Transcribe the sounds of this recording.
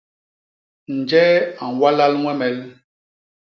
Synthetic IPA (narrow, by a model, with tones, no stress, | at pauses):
n̩˨d͡ʒɛ˦a˨n˨wa˦la˦lŋwɛ˦mɛ˨l